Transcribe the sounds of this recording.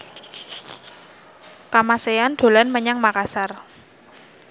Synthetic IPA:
kamaseand̪̥o̤lanməɲaŋmakasar

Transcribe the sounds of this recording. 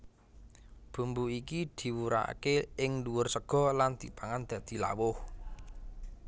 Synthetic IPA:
b̥ṳmbuikid̪̥i̤wuɾa̰a̰keʔɪŋluwʊrsəɡ̥ɔ̤land̪̥i̤paŋand̪̥ä̤d̪̥i̤la̰wʊh

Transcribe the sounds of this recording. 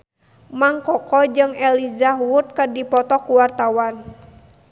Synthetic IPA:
maŋkɔkɔd͡ʒɨŋɛlizaɦwut̪̚kədipɔt̪ɔkuwart̪awan

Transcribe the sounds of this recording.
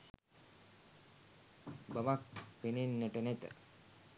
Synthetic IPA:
bəʋak̚penenːɛʈənɛt̪ə̰

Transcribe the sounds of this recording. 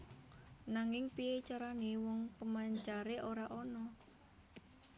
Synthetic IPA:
naŋɪŋpiet͡ʃaɾanewɔŋpəmaɲt͡ʃaɾeʔoɾaʔɔnɔ

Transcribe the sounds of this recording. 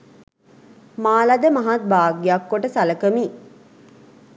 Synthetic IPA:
maːlad̪əmaɦat̪̚baːɡijakːoʈəsaləkəmi

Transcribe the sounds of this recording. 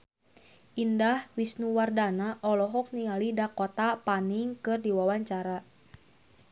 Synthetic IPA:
ʔindahwisnuwardanaʔɔlɔɦɔk̚niŋalidakɔt̪apaniŋkɨrdiwawaɲt͡ʃaɾa

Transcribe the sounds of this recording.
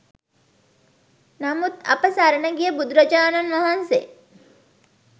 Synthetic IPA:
nɐmut̪ɐ̰pəsaɾənəɡijəbud̪uɾɐd͡ʒaːnɐnʋɐɦanse

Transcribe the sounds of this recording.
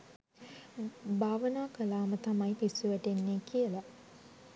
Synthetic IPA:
bʱaːʋənaːkəlaːmət̪amajpisuʋæʈenːeːkijəla

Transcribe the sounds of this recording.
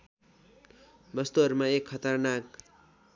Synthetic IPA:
bʌst̪uɦʌɾumaekʰːʌt̪ʌrnak̚

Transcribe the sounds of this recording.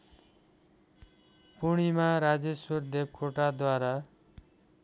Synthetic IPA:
puɽ̃imaɾad͡ʒesuɾd̪eb̚kʰoʈad̪waɾa

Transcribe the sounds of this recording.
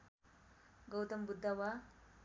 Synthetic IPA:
ɡəwt̪əmbud̪ʱːaʋa

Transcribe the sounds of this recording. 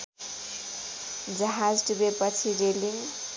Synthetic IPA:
d͡zʌɦad͡zɖubepʌt͡sʰiɾeliŋ

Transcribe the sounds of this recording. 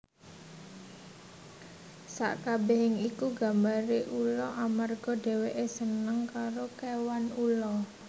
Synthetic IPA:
sa̰ʔkabeɦɪŋikuɡa̤mbaɾiʔulɔʔamarɡ̥ɔ̤ɖe̤weʔesənəŋkaɾokewanulɔ

